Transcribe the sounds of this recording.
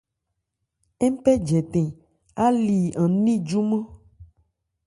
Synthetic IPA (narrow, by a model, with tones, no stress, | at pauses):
ɛ˦m˦pɛ˦d͡ʒɛ˨t̪ẽ˨ | a˦li˨ã˨nĩ˦d͡ʒu˦mẽ˦